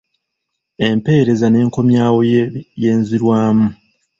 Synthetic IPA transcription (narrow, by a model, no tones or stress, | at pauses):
e̞mpe̞ːɾe̞zane̞ːŋko̞mjaːwojjeːnziɾwaːmu